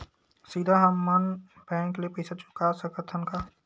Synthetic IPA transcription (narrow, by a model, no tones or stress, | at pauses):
siːd̪ʱaɦɐmːɐn | pɛːnkeliepɛːsat͡ʃʊ̥kasə̃kət̪ʰːənka